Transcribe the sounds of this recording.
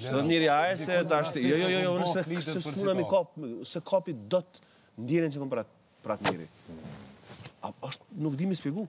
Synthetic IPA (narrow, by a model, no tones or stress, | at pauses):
sɛðɔt̪niɾiajɛsɛt̪aʃt̪jɔjɔjɔjɔnsɛʃɛsunamikɔp̚sɛkʰɔpid̪ɔt̪ | nd̪jɛɾɛnt͡ʃɛkɔpɾat̪ | pɾat̪nḭɾḭ | aɔʃt̪̚nukd̪imispiɡu